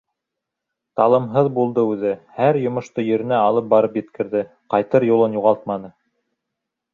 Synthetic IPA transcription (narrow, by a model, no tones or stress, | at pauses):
t̪ɑlˠɤ̆mɦɤðbulˠd̪ɤʉðɘhæɾjŏmŏʃt̪ɤjɵ̆ɾɘ̆næɑlˠɤp̚bɑɾɤpjɘ̆t̪kɘ̆ɾðɘ | qɑjt̪ɤɾjulˠɤnjuʁɑlˠt̪mɑnɤ